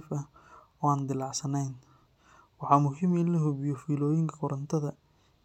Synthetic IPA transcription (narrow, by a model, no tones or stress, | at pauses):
fɐ | ɔːaːnd̪ɪlɑʕsɐnɛjn | wɑħɑːmʊɦɪmɪnlɐɦʊbɪjɔfiːlɔːjɪŋkʰɐkʰʊɾɐnt̪ʰɐðɐ